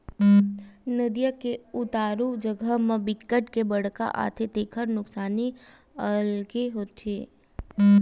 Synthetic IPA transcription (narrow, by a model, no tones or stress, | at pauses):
nəd̪ijakeʊt̪aːɾud͡ʒəɡʱəmə̃bɪkːəʈkebəɽ̤ka̰ʔa̰ːt̪ʰet̪eːkʰəɾnʊksaːni | əlkeɦoːt̪ʰeː